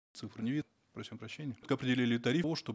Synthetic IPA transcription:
t̪sɨfɾɨnʲɪvi | pɾɐsʲimpɾɐɕːenʲɪjət̪kəɐpɾʲɪdʲɪlʲilʲɪt̪ɐɾʲiʋoʂt̪o

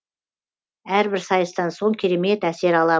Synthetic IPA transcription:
æɾbɪɾsɑjəst̪ɑnso̞ŋkʲʰeɾe̞me̞t̪æse̞ɾɑlˠɑ

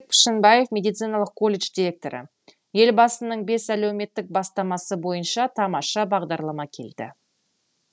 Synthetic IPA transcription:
k̚pʰɪ̥ʃənbɑje̞fmʲe̞d̪it̪sɨjnɑlˠəq̚kːʰo̞lʲːe̞ʃd̪ʲiɾʲe̞k̚t̪o̞ɾə̰ | je̞lbɑsənəɴbe̞sælæwme̞t̪ːɪk̚bɑst̪ɑmɑsəbo̞jənʃɑt̪ʰɑmɑʃɑbɑʁd̪ɑɾlˠɑmɑkʲʰe̞̰ld̪̥ɪ̰

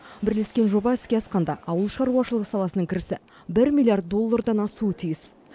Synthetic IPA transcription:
bɪɾle̞skʲe̞nʒo̞bɑɪskʲe̞ɑsqɑnd̪ɑʔɑwəlˠʃɑɾuɑʃəlˠəʁəsɑlˠɑsənəŋkʲʰɪɾɪsɪ | bɪɾmʲilʲijart̪̚d̪o̞lˠːard̪ɑnɑsuət̪ʰijɪs

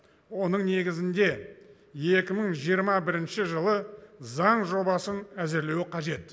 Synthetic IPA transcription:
wo̞nəɴne̞ɡʲɪzɪnd̪e̞ | je̞kʲɪməɴʒijəɾmɑbɪɾɪnʃɪʒəlˠəzɑɴʒo̞bɑsənæzɪɾle̞wɪqʰɑʒe̞t̪

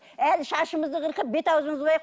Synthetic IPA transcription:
ælʃɑʃəməzd̪əqəɾqəp̚be̞t̪ɑwzəɴəzʁojɑq

